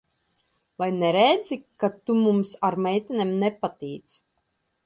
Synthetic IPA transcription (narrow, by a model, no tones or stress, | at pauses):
vajnɛɾɛd̪zikat̪umumsaɾmɛjt̪ʲɛnʲemnɛpat̪iːt̪s